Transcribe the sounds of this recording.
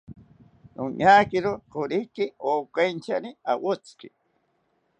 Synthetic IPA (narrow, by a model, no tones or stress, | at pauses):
uɲaːkɪɾoqoɾikioːkajnt͡ʃania̰wot͡skḭ